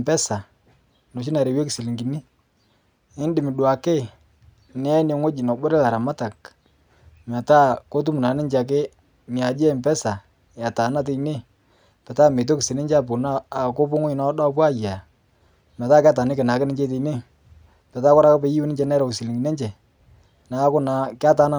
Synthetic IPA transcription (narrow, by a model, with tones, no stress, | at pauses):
mpɛ˦sa˨ | no˨ʃ̬i˦na˨ɾe˨we˦ki˨si˨li˨ŋɡi˨ni˦ | ɪ˦ndɪ˨mɪ˨ɗwa˨ke˦˨ | nɪ˦ɛ˦ne˨˦ŋo˦d͡ʒi˨nɔ˨bo˦ɾe˦la˨ɾa˨ma˦ta˨k | mɛ˨ta˦ko˦t̬u˦mu˨na˨˦ne˦ɲt͡ʃa˨k̬e˦ | nɪ˨a˨d͡ʒe˦˨mpɛ˦sa˨ | ja˨ta˨na˦t̬e˦ine˦ | pɛ˨ta˦˨me˨t̬o˦ki˨si˨ne˦ɲd͡ʒa˦po˨naː˦˨ko˦pʊ˦ŋo˦ɲ˨na˦ɗa˦p̬wa˦˨ja˨ | mɛ˨taː˦ka˦ta˨nɪ˦kɪ˨na˨kɪ˦nɪ˦ɲd͡ʒe˦t̬e˨˦ne˦˨ | pɛ˨ta˦kɔ˦ɾa˦ka˦pe˨˦ji˦wɛ˦nɪ˦ɲt͡ʃɛ˦nɛ˦ɾɔ˨ksi˨li˨ŋɡi˨ne˦t͡ʃɛ˨ | na˨˦kʊ˦na˨kja˦ta˨˦na˦